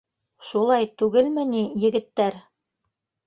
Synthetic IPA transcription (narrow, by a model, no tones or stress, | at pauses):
ʃulˠɑjt̪ʉɡɘlmɘ̆nijɘ̆ɡɘ̆t̪ːæɾ